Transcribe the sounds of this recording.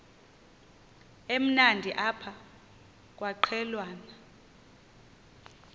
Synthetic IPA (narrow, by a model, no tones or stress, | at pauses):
em̩nandʱiʔapʰa | k̬ʼwaǃʰɛlwaːna